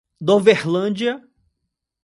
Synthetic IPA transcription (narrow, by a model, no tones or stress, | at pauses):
d̪õvehlɐ̃d͡ʒiɐ